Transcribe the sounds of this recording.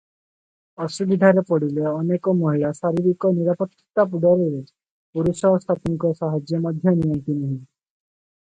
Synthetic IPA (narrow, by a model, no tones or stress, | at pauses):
ɔsubid̪ʱaɾepɔɽileaɔnekɔmɔɦiɭasaɾiɾikɔniɾapɔt̪ːi̥t̪ap̬uɖɔɾeɾe | puɾusɔɦɔst̪ʰapiŋkɔsaɦad͡ʒjɔmɔd̪ʱjɔnijɔnt̪inuɦĩ